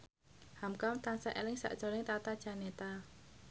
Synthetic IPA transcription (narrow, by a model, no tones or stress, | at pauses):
hamkamt̪ansaʔelɪŋsa̰ʔʒ̥o̤lɪŋt̪at̪ad̥ʒ̥a̤net̪a